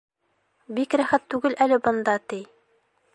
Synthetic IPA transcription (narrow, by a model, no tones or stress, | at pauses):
bikɾæχæt̪ːʉɡɘlʔælɘbɤ̆nd̪ɑt̪i